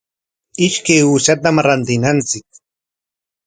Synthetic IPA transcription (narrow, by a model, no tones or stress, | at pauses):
ɪʃkajuːʃat̪̬amɾant̪ɪnant͡sɪk̚